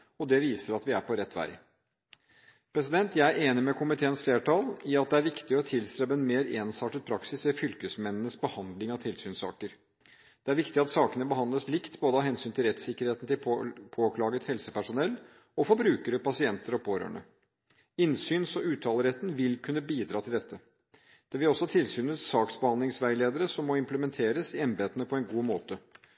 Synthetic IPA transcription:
ɔd̪ɛʋiːsəɾɑt̪ʋɪæɾpʰɔɾɛt̪ːʋæ̰ɪ | pʰɾɛs̬ɪd̪ɛnt̪jæɪæɾeːnɪmɛkʰʊmɪt̪ʰeːənsfleːʈʰɑlɪɑt̪̚d̪ɛæɾʋɪkt̪ɪɔt̪ʰɪlst̪ɾɛbəɛnmeːɾeːnsɑːʈət̪̚pʰɾɑksɪsʋɛfʏlkəsmɛnːənəsbəhɑnd̪lɪŋɑʋt̪ʰɪlsyːnsɑ̰ːkəɾ | d̪̥ɛæɾʋɪkt̪ɪɑt̪sɑːkənəbəhɑnd̪əslɪkt̪boːd̪əhɑɦɛnsyːnt̪ʰɪlɾɛt̪sɪkːəɾheːt̪n̩t̪ɪlpʰoːkʰlɑːɡət̪hɛlsəpæʂʊnɛlː | ɔfɔɾbɾʉːkəɾəpɑsɪɛnt̪əɾɔpʰoːɾø̰ːɳə̰ | ɪnsyːnsɔʉːt̪ʰɑːləɾɛt̪ːn̩ʋɪlkʰʉnːəbiːd̪ɾɑːt̪ʰɪld̪ɛt̪ʰːə | d̪̥ɛʋɪlɔsːɔhɑt̪ʰɪlsyːnət̪sɑːksbəhɑnd̪lɪŋsʋæɪleːd̪əɾəsɔmːɔɪmpləmɛnt̪ʰeːɾəsɪɛnbeːt̪ənəpʰɔɛnɡuːmoːt̪ə

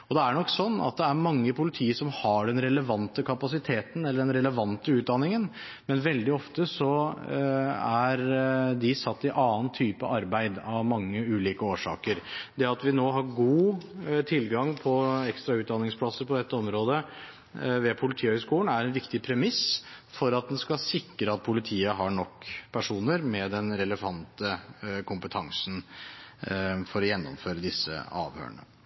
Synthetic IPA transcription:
ɔd̪ɛæɳɔkːsɔnːɑ̰t̪̚d̪ɛæɾmɑŋːəpʰʊlɪt̪ʰiːəʂɔmhɑɖɛnɾɛləʋɑnt̪əkʰɑpɑsɪt̪ʰeːt̪n̩ɛlːəɖɛnɾɛləʋɑnt̪əʉːt̪̚d̪ɑnɪŋən | mɛnʋɛld̪ɪɔft̪əsɔ | æɾd̪ɪsɑt̪ːɪʔɑːənt̪ʰyːpə̰ʔɑɾbæɪd̪ɑʋmɑŋːəʉːliːkəoːʂɑ̰ːkəɾd̪ɛɑt̪ʋɪnoːɦɑɾɡuːt̪ʰɪlɡɑŋpʰɔɛkst̪ɾɑʉːt̪̚d̪ɑnːɪŋspʰlɑsəɾpʰɔd̪ɛt̪ːəɔmɾoːd̪ə | ʋɛpʰʊlɪt̪ʰiːəhœʏskuːnæɾɛnʋɪkt̪ɪpʰɾɛmɪsfɔɾɑt̪̚d̪ɛnskɑsɪkɾəɑt̪̚pʰʊlɪt̪ʰiːəɦɑɳɔkːpʰæʂuːnəɾmɛd̪ɛnɾɛləʋɑnt̪əkʰʊmpət̪ʰɑŋsn̩ | fɔɾɔjɛnːɔ̰mføːɾəd̪ɪsːə̰ɑ̰ːʋhø̰ːɳə̰

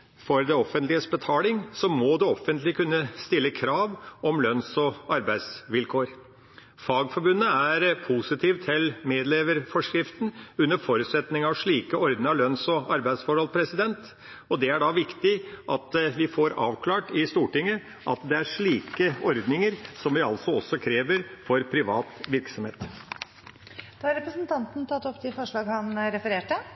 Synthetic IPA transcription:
fɔɾd̪ɛɔfənt̪lɪəsbət̪ʰɑːlɪŋsɔmɔd̪ɛɔfːənt̪lɪkʰʉnːəst̪ɪlːəkʰɾɑːʋɔmlœnsɔɑɾbæɪd̪sʋɪlkʰoːɾ | fɑːɡfɔɾbʉnːəæɾpʰusɪt̪ʰiːʋt̪ʰɛlmeːd̪leːʋəɾfɔʂkɾɪft̪n̩ʉnːəfɔɾʉːt̪sɛt̪nɪŋɑʋʂɭiːkəɔɾd̪nəŋəlœnsɔɑɾbæɪd̪sfɔɾhɔlpʰɾɛsɪd̪ɛnt̪ | ɔd̪ɛæɖɑʋɪkt̪ɪʔɑt̪ʋɪfoɾɑːʋkʰlɑːʈɪst̪uːʈɪŋːə | ʔɑt̪d̪ɛæɾʂɭiːkəɔɾd̪nɪŋəɾsɔmʋɪɑlsɔɔsɔkʰɾeːʋəɾfɔɾpʰɾɪʋɑːt̪ʋɪɾksɔmhḛːt̪ | d̪̥ɑɑɾɛpɾəsnt̪ʰɑnt̪n̩t̪ʰɑt̪ːɔpːd̪ɪfɔʂɭɑːɡhɑnɾɛfəɾeːʈə

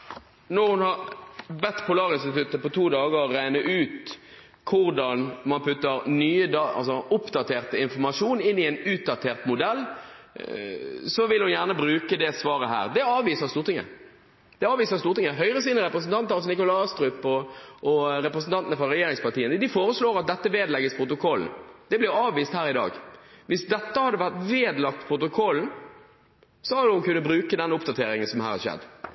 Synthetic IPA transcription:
nɔʁhʊnhɑʁbɛt̪ːpʰʊlɑːʁɪnst̪ɪt̪ʉt̪ːəpɔt̪ʰuːd̪ɑːɡəʁːæɪnəʔʉːt̪ | kʰʊɾd̪ɑnmɑnpʰʉt̪ːəɾnyːəd̪ɑɑ̰lsɔʊpd̪ɑt̪ʰeːʁt̪ɪnfɔmɑʂuːnɪnːɪɛnʉːt̪̚d̪ɑt̪ʰeːʁt̪mʊd̪ɛlː | sɔʋɪlhʊnjæʁnəbʁʉːkəd̪ɛsʋɑːʁəɦæ̰ːʁd̪ɛɑːʋiːsəʁst̪uːɾt̪ɪŋə̰ | d̪̥ɛɑːʋiːsəɾst̪uːɾt̪ɪŋːəɦœʏʁəs̬iːnəɾɛpɾəsn̩t̪ɑnt̪ɑsnɪkʊlɑst̪ɾʉpɔʔɔɾɛpɾəsn̩t̪ɑnt̪ənəfɾɑɾɛjeːɾɪŋspɑt̪iːənəd̪ɪfoːɾəsloːɾɑt̪̚d̪ɛt̪ːəʋeːd̪lɛɡəspʰɾʊt̪̬ʊkʰɔln̩d̪̥ɛblɪɾɑːʋʋiːst̪hæːɾɪd̪ɑ̰ːɡʋɪsd̪ɛt̪ːəhɑd̪ːəʋæʁt̪ʋeːd̪lɑk̚t̪pʰɾʊt̪ʊkʰɔln̩ | sɔhɑd̪hʊnkʉnːəbɾʉːkəd̪ɛnːʊpd̪ɑt̪ʰeːɾɪŋənsɔmhæ̰ːɾhɑʃɛ̰d̪ː

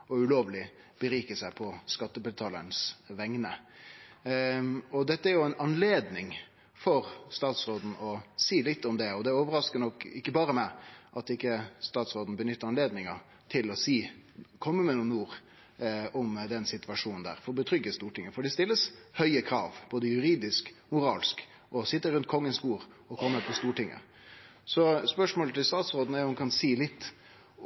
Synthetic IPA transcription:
ɔʉloːʋlɪ | b̥əɾiːkəsæɪpʰɔskɑt̪ːəbɛlt̪ʰɑlə̰nsʋɛŋnə | ɔd̪ɛt̪ːəæɾjʊɛɪnɑnleːd̪nɪŋ | fɔɾst̪ɑːt̪sɾoːd̪n̩ɔsiːlɪt̪ːɔmd̪ɛɔd̪ɛoːʋəɾɑskənɔkːɪkːəbɑːɾəmæʔɑt̪ɪkːəst̪ɑːt̪sʁoːd̪n̩bənʏt̪ːəɾɑnleːd̪nɪŋə | t̪ʰɪlɔsiːkʰɔmːəmɛnuːnːuːɾ | ɔmd̪ɛnsɪt̪ʋɑʂuːnn̩d̪æ̰ːɾfɔɾɔbət̪ʰɾʏɡːəst̪uːʈɪŋːəfɔɖɛst̪ɪlːəshœʏəkʰɾɑ̰ːʋb̥oːd̪əjʉɾiːd̪ɪskmʊɾɑːlsk | ʔɔsɪt̪ːəɾʉnt̪̚kʰɔŋːənsbuːɾ | ɔkʰɔmːəpʰɔst̪uːʈɪŋʔə̰ | sɔspœʂmoːlət̪ʰɪlst̪ɑːt̪sʁoːd̪n̩æɾjʊhʊnkʰɑnsiːlɪt̪ː

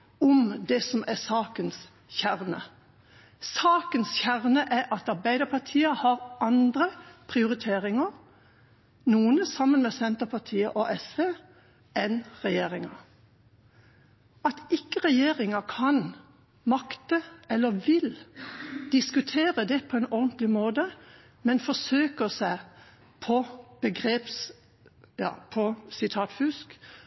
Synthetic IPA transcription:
ɔmd̪ɛsɔmʔæsɑːkəns | çæʁnə | sɑːkənsçæʁnəʔæʔɑt̪ɑɾbæɪd̪əpʰɑt̪ʰiːəhɑːʁʔɑnd̪ɾəpʰʁɪʊɾɪt̪ʰeːʁɪŋəɾ | nuːənəsɑmːənmɛsɛnt̪əpʰɑt̪ʰiːəʔɔʔɛsʋeː | ɛnʁɛjeːʁɪŋə | ɑt̪ɪkːəʁɛjeːʁɪŋəkʰɑn | mɑkt̪əɛlːəʋɪl | d̪̥ɪskʉt̪ʰeːʁəd̪ɛpʰɔɛːnɔʁnt̪lɪmoːd̪ə | mɛnfɔsøːkəsæɪ | pʰɔb̥əɡʁeːps | jɑ̰ːpʰɔsɪt̪ʰɑːt̪fʉsk

